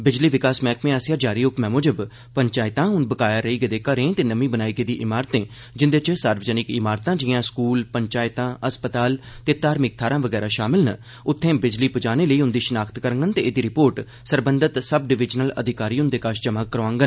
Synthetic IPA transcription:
bɪd͡ʒliːʋɪkaːsmɛ̃ːkʰmẽːaːsjaːd͡ʒaːɾiːʊkmɛ̃ːmoːd͡ʒəb | pəɲt͡ʃaːɪt̪ãːɦʊnbəkaːjaːɾəiːɡəeːd̪eːkəɾẽːt̪eːnəmĩːbənaːiːɡeːd̪iːʔɪmaːɾət̪ẽː | d͡ʒɪnd̪eːt͡ʃəsaːɾʋəd͡ʒənɪkɪmaːɾt̪ãːd͡ʒiːãːskuːlpəɲt͡ʃaːɪt̪ãːəspət̪aːlt̪eːt̪aːɾmɪk̚t̪ʰaːɾãːʋəɡɛːɾaːʃaːmɪlnə | ʊt̪ʰːẽːbɪd͡ʒliːpʊd͡ʒaːneːləiːʊnd̪iːʃənaːkt̪kəɾəŋɡənt̪eːeːd̪iːɾɪpoːɾʈ | səɾbənd̪ət̪səb̚ɖɪʋɪd͡ʒnələ̰d̪ʱɪkaːɾiːʊnd̪eːkaːʃt͡ʃəmãːkəɾoãːŋɡən

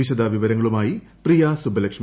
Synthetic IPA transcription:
iɕɐd̪aːʋiʋɐɾɐŋːɐɭumaːji | prijaːsubʱɐlɐkʂɐ

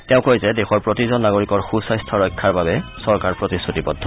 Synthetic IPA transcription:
tɛʊ̃kojzɛdexɔɹpɹotizɔnːaɡoɹikɔɹxusɔjstʰɔɹɔjkʰːaɹbabɛsɔɹkaɹpɹotisutipɔdʱɔ

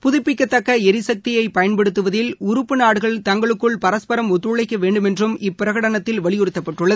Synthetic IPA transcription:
pʊðɪpːɪkːɐt̪ːɐkːɐɛɾɪsɐk̚t̪ɪjɐɪpɐjɐnpɛɽɯt̪ːɯʋɐðɪlʊɾʊpːɯnaːɽɯɣɐɭt̪ɐŋɡɐɭɯkːɯɭpɐɾɐspɐɾɐmɔt̪ːɾɯɭɐɪkːɐʋeːɳɖɯmɛndrɯmɪpːɪɾɐɣɐɽɐnɐt̪ːɪlʋɐɭɪjɔɾɯt̪ːɐpːɐʈrɯɭːɐðɯ

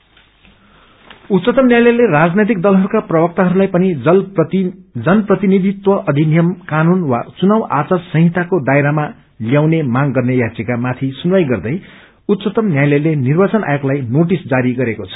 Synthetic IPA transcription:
ut̪t͡sʌt̪ʌmnjajlʌjlerad͡znʌjt̪ik̚d̪ʌlɦʌɾukaprʌbʌk̚t̪aɦʌɾulajpʌni | d͡zʌnʌprʌt̪inid̪ʱit̪wʌʔʌd̪ʱinijʌmkanunwat͡sunawʔa̰t͡sarsʌ̃ɦɦit̪ʰakod̪aeɾama | ljawnemaŋɡʌrnejat͡sekamat̪ʰisunwajɡʌrd̪ʌj | ut̪sʌt̪ʌmnjajlʌjlenirbat͡sʌnʔa̰joklajnoʈisd͡zaɾiɡʌɾekot͡sʰʌ̥

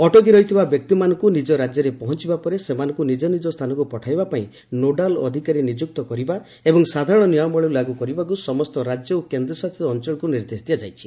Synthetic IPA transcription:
ɔʈoɡiɾɔɦit̪ʰibabjɔk̚t̪imanɔŋkunid͡ʒɔɾad͡ʒjɔɾepɔɦɔnt͡ʃibapɔɾesemanɔŋkunid͡ʒɔnid͡ʒɔst̪ʰanɔkupɔʈʰajbapaĩ | noɖalɔ̰d̪ʱikaɾinid͡ʒuk̚t̪ɔkɔɾiba | ebɔŋsad̪ʱaɾɔɽ̃ɔniɔmbɔɭeɾulaɡukɔɾibak̬usɔmɔst̪ɔɾad͡ʒjɔokend̪ɾɔsat̪ʰiɔːnt͡ʃɔɭɔkuniɾd̪esd̪ijad͡ʒajt͡ʃʰi̥

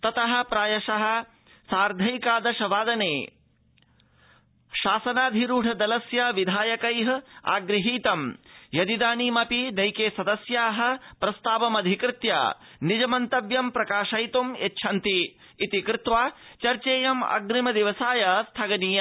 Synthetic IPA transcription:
t̪ɐt̪ɐɦɐ̆pɾaːjɐʃɐɦɐ̆ | saːɾd̪ʱɐjkaːd̪ɐʃɐʋaːd̪ɐneː | ʃaːsɐnaːd̪ʱiɾuːɖʰʱɐd̪ɐlɐsjɐʋid̪ʱaːjɐkɐjɦɐa̰ːɡɾɐɦiːt̪ɐmjɐd̪id̪aːnimɐpinɐjkeːsɐd̪ɐsjaːɦɐ̆pɾɐst̪aːʋɐmɐd̪ʱikɾɪt̪ja̰ːnid͡ʒɐmɐnt̪ɐʋjɐmpɾɐkaːʃɐjt̪umetːʃʰɐnt̪iː | t̪ikɾɪt̪ʋaːt͡ʃɐɾt͡ʃeːjɐmɐ̰ɡɾimɐd̪iʋɐsaːjɐst̪ʰɐɡɐniːjɐ

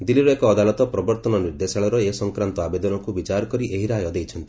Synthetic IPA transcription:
d̪iliɾɔekɔːd̪alɔt̪ɔpɾɔbɔɾt̪ɔnɔniɾd̪esaɭɔɾɔesɔŋkɾant̪ɔabed̪ɔnɔkubit͡ʃaɾɔkɔɾiʔeɦiɾajɔd̪ejt͡ʃʰɔnt̪i̥

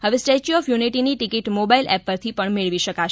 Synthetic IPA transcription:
ɦəʋesʈet͡ʃiɔfjuniʈiniʈikiʈmobailɛpːəɾt̪ʰipəɳmeɭʋiʃəkaʃ

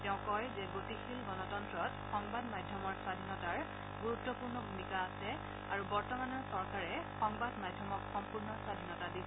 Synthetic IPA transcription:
tɛʊ̃kɔjzɛɡotixʰilɡɔnɔtɔntɹɔtxɔŋbadmadʱjɔmɔɹswadʱinɔtaɹ | ɡuɹutːɔpuɹnɔbʱumikaːsɛ | aɹubɔɹtɔmanɔɹsɔɹkaɹɛxɔŋbadmadʱjɔmɔkxɔmpuɹnɔswadʱinɔtadisɛ

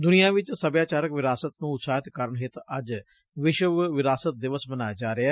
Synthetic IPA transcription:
d̪ʊnijãːʋɪt͡ʃsəbjaːt͡ʃaːɾəkʋɪɾaːsət̪nũːʊt̪saːɦɪt̪kəɾəɳɦɪt̪əd͡ʒ | ʋɪʃəʋʋɪɾaːsət̪̚d̪ɪʋəsmənaːjaːd͡ʒaːɾeɦɛː

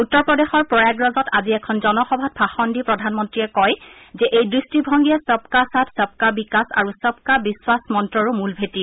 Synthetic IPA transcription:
utːɔɹpɹɔdexɔɹpɹɔjaɡɹɔzɔtʰaziɛkʰɔnzɔnɔxɔbʱat̚bʰʱaxɔndipɹɔdʱanmɔntɹiɛkɔj | zɛʔejdɹistibʱɔŋɡiɛsɔp̚kasatʰsɔp̚kabikasa̰ɹusɔp̚kabiswasmɔntɹɔɹumulbʱeti

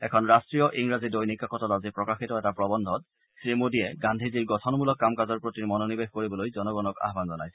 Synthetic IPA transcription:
ɛkʰɔnɹastɹijɔʔiŋɹazidojnikakɔtɔtazipɹɔkaxitɔɛtapɹɔbɔndʱɔt̚ | sɹimodiɛɡandʱiziɹɡɔtʰɔnmulɔkːamkazɔɹpɹotimɔnonibexkoɹibɔlojzɔnɔɡɔnɔka̰ɦbanzɔnajsɛ

